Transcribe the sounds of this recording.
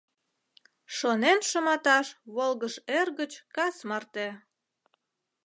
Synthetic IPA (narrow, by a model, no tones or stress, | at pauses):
ʃonenʃəmɑt̪ɑʃβolɣəʃerɣət͡ɕkɑsmɑrt̪e